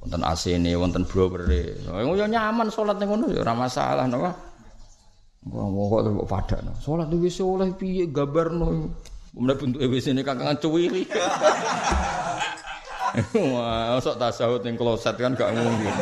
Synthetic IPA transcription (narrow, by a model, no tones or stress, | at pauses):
wɔ̰nt̪ənʔa̰senewɔnt̪ənb̥ɾɔbərḛn̰ŋojɔɲamansolat̪̚nekonojɔ̰ɾamasa̰la̰hnapa | kṵa̰ŋmɔkɔ̰ʔt̪pɔ̰ʔpa̰d̥a̰ʔna̰solat̪̚niwesolɛhpijeʔɡabərnojumdaʔb̥unt̪uewesinekakaŋt͡ʃuwiɾi | wasɔʔt̪asaʊt̪eŋklosɛt̪̚kanɡaʔmuuŋkin